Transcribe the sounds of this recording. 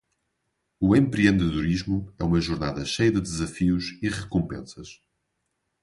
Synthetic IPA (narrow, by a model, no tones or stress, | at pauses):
uẽmpɾiẽnd̪ɨðuɾiʒmuɛumɐʒuɾna̰ðɐʃejɐðɨðɨzɐfiuʃiʁɨkõmpḛ̃sɐʃ